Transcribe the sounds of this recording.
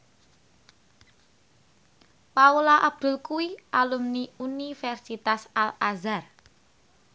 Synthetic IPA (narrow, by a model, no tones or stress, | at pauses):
paulaʔab̥̚d̪̥ʊ̤lkuwiʔalumniunifɛrsit̪asalazar